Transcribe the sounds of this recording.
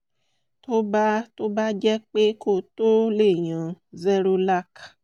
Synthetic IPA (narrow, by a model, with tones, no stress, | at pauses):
to˦ba˦to˦ba˦d͡ʒɛ˦k͡pe˦ko˦˨to˦le˦˨j̃ã˨zɛ˦ɾo˧la˦˨k